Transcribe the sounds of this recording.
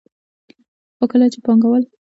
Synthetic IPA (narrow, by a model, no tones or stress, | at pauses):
xokəlat͡ʃepɑŋɡawəl